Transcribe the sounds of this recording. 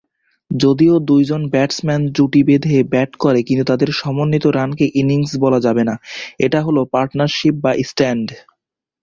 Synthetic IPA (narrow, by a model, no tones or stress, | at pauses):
d͡ʑod̪iod̪ujd͡ʑonbɛʈsmɛnd͡ʑuʈibed̪ʱebɛʈkɔɾekint̪ut̪ad̪eɾʃɔmonːit̪oɾankeʔiniŋsbɔlad͡ʑabenaeʈaɦolopaɾʈnaɾʃip̚baʔisʈɛɳɖ